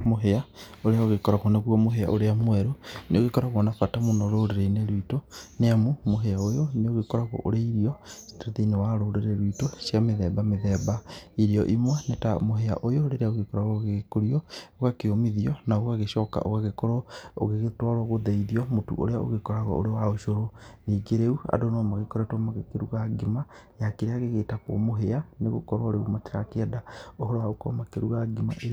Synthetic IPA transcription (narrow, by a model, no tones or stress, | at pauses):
moɦeaoɾeaoɣekɔɾaɣɔneɣuɔmoɦea̰ʔoɾeamwɛɾoneoɣekɔɾaɣɔnafatamonaɾoɾeɾeineɾwitoneamumoɦeaojoneoɣekɔɾaɣɔ̰ʔoɾeiɾiɔsi̥taðenewaɾoɾeɾeɾwitoʃjameðɛbameðɛbaiɾiɔʔimwɛnetamoɦea̰ʔojoɾeɾeaoɣekɔɾaɣɔɣeɣekoɾiɔoɣakeomiðiɔnaoɣaɣeʃɔka̰ʔo̰ɣaɣekɔɾɔo̰ɣeɣetwaɾɔɣoðɛiðiɔmotṵʔo̰ɾeao̰ɣekɔɾaɣɔ̰o̰ɾewaoʃoɾoniːɡeɾeua̰donɔmaɣekɔɾɛtwɔmaɣekeɾuɣaɡemajakeɾeaɣeɣetakwɔ̰moɦeaneɣo̰kɔɾɔɾeomateɾakeɛdaoɦɔɾɔwaɣokɔ̰makeɾuɣaɡimaʔeɾ